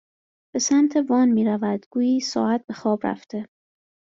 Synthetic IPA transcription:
b̥e̞sæmt̪ʰevɒːnmiːɾævæd̪ɡ̥uːjiːsɒ̰ːæt̪̚be̞xɒːbɾæ̰ft̪ʰe̞

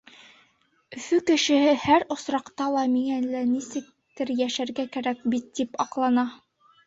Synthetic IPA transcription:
ɵ̆fɵkɘ̆ʃɘ̆hɘhæɾŏsɾɑqt̪ɑlˠɑmiŋælænisɘ̆k̚t̪ɘɾjæʃæɾɡækæɾæk̚bit̪ːipɑqlˠɑnɑ

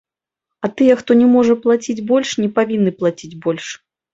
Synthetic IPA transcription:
ɐt̪ɨjɛxt̪ɔnʲɛmɔʐɐplˠat͡sʲid͡zʲbɔlʲʂnʲɛpavʲinːɨplˠat͡sʲid͡zʲbɔlʲʂ

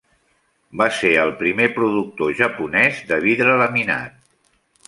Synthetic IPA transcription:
baseəlˠpɾimepɾuðuk̚t̪oʒəpunɛzd̪əβiðɾələmina̰t̪̚

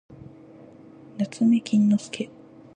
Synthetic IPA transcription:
nat͡sɨme̞kʲʰĩnːosɨ̥kʰe

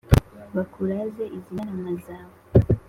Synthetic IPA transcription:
βakʰuɾazeʔizianamazaːwo

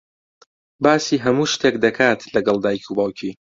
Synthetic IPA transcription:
baːsiːɦɐmuːʃt̪ek̚d̪ɐkʰaːt̪ʰlɐɡɐlˠd̪aːjkʰuːbaːwcʰiː

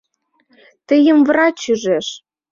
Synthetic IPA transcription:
t̪ə̆jə̆mvɾɑt͡ɕyʒeʃ

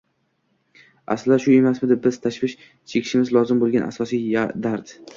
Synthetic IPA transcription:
a̰slɪd̪aʃʊemasmɪd̪ɪbɪz̥t̪ʰaʃvɪʃ | t͡ʃʰekʰʲɪ̥ʃɪmɪzlˠɒzɪmbolˠɡʲanʔa̰sɒsijad̪aɾd̪

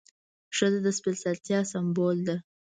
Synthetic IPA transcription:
ʂəzad̪əspɪlsalt̪jɑsambold̪a

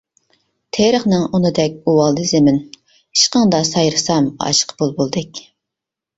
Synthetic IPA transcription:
t̪ʰeɾəχnɨŋunɨd̪ɛkʲuwɑlˠd̪ɨzɪmɪn | iʃqəŋd̪ɑsɑjɾɨsɑmɑ̰ʃqʰbolˠbolˠd̪ɨkʲ

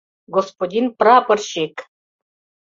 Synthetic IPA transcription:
ɡospodʲinprɑpɤ̆rɕek

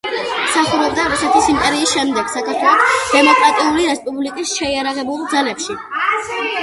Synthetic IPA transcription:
msaχuɾɛb̚d̪aɾusɛt̪ʰisimpʼɛɾiːsʃɛmd̪ɛɡ̥sakʰaɾt̪ʰwɛlˠɔsd̪̥ɛmɔkʼɾat̪ʼiuliɾɛspʼublikʼisʃɛiaɾaʁɛbulˠd̪zalɛpʃi

